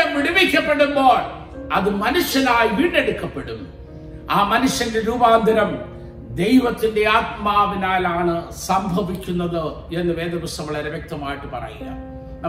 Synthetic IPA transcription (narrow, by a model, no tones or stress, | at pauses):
ɐmʋiɽiʋikʲːɐpːe̞ɽumbo̞ːɭ | ɐðɨmɐnuʂjɐnaːjiʋiːɽɖe̞ɽukːɐpːe̞ɽum | aːmɐnuʂjɐnleɾuːbaːnd̪ʱɐɾɐm | d̪e̞jʋɐt̪ːinde̞aːt̪̚maːʋinaːlaːɳɨsɐmbʱɐʋikʲːunːɐðɨe̞nːɨʋeːd̪ɐʋɐsɐmɐɭɐɾeʋjek̚t̪ɐmaːjiʈːɨpɐ̰rɐ̰jilːɐ̰